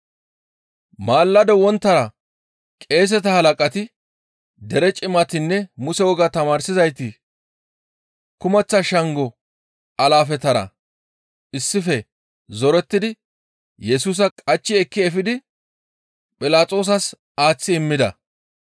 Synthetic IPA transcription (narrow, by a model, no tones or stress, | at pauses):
maːlːɐd̪ɛwɔnt̪ːɐɾɐ | kʼe̞ːs̬ɛt̪ɐhɐlɐkʼɐt̪ɪ | d̪ɛɾɛt͡ʃʼɪmɐt̪ɪnːɛmʊsɛwɔɡɐt̪ɐmaːɾsɪzɐjt̪ɪ | kʊmɛt͡sːɐʃɐŋɡɔ | ʔɐlaːfɛt̪ɐɾɐ̰ | ɪsːɪfɛ | zɔɾɛt̪ːɪd̪ɪ | jɛsuːs̬ɐkʼɐt͡ʃːɪɛkːɪɛfɪd̪ɪ | pʼɪlaːt͡sʼo̞ːs̬ɐs | aːt͡sːɪɪmːɪd̪ɐ̰